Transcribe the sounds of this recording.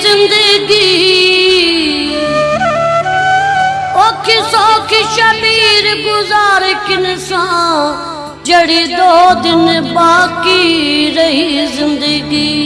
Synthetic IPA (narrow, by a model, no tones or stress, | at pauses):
ɪ̃nd̪əɡi | oːkʰɪsɔːkɪʃɐbiːɾɡʊzaːɾkɪnsãː | d͡ʒɐɽid̪oːd̪ɪnbaːkiɾɐɦizɪ̃nd̪əɡiː